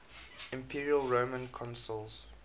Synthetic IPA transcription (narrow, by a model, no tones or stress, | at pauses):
ɪ̃mpʰiɹiəlɹomə̃nkʰɔ̃nsəlˠz̥